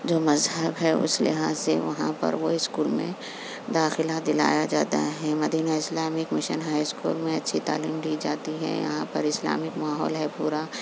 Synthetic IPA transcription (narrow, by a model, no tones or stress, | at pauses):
d͡ʒoːmɐzɦəbɦɛʊ̰slɪ̰ɦaːzseʋɐɦã̰pɐ̰ɾʋoɪskuːlmḛ̃ | d̪aːxɪlad̪ɪla̰ːjad͡ʒaːt̪a̰ɦɛmɐd̪iːnaɪslaːmɪkmɪʃənɦaːjskuːlmẽɐtːʃʰit̪a̰ːliːmd̪iːd͡ʒaːt̪iɦɛ̰̃jɐ̰ɦãpɐɾɪsla̰ːmɪkmaːɦɔːlɦɛpuːɾa